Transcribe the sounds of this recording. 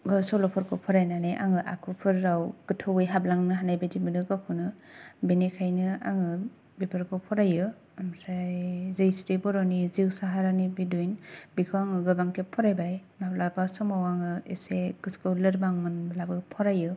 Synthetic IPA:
bɯsɔwlɔpʰɯɾkʰɯwpʰɔɾajnaneʔaŋɯʔa̰kʰupʰɯɾːawɡ̥ɯtʰɯwɯjɦablaŋnɯɦanajbajdibɯnɯɡakʰɯnɯ | benekʰajnɯa̰ŋɯ | bipʰɯɾkʰɯpʰɔɾajɯ | amsajzɯjsɾibɔɾɔniziwsaɦaɾanibidujnbikʰɯaŋɯɡɯbaŋkʰepʰːɔɾajbajmaplabasɔmawaŋɯeseɡ̥ɯskɯwlɯɾbaŋmɯnblabɯpʰɔɾajɯ

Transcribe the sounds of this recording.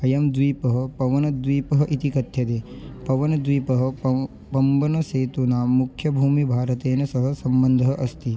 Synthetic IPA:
ɦɐjɐmd̪ʋiːpɐɦɐ̆pɐʋɐnɐd̪ʋiːpɐɦɐʔit̪ikɐt̪ʰjɐt̪eː | pɐʋɐnɐd̪ʋiːpɐɦɐ̆ | pɐmbɐnɐsɐːt̪unaːmukʰjɐbʱuːmibʱaːɾɐt̪eːnɐsɐɦɐ̆sɐmbɐnd̪ʱɐɦɐʔɐst̪i

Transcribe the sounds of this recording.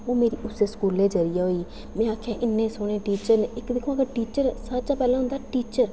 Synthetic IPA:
oːmeːɾiːʔʊseːskuːleːd͡ʒəɾijaːɦoːiː | mɛ̃ːaːkʰãːʔɪnːẽːsʊɽ̃ẽːʈiːt͡ʃəɾneːɪkd̪ɪkʰõaɡəʈiːt͡ʃəɾsəd͡ʒaːpɛːlãɦʊ̃nd̪aʈiːt͡ʃəɾ

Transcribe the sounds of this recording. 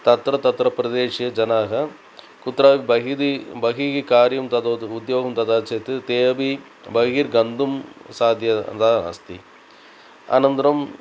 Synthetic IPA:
t̪ɐt̪ːɾɐt̪ɐt̪ːɾɐpːɾɐðeːʂijɐd͡ʒɐnaːɣɐ | kʊt̪ːɾaːʋiɐid̪ibɐɣiɣikaːɾjɐmt̪ɐd̪ʊd̪joːɣɐmt̪ɐðaːt͡ʃɐɐt̪ːɯt̪eːʋi | bɐɣiɾɡɐnd̪ɯmsaːd̪jɐ̰d̪aːɐ̰st̪i | ɐ̰nɐnd̪ɐɾɐm

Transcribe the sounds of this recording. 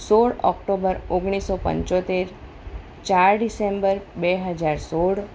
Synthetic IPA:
soɽɔ̰kʈobəɾoɡɽ̃isopə̰̃ɲt͡ʃot̪eɾ | t͡ʃaɾɖisembəɾbeɦəd͡ʒaɾsoɽ

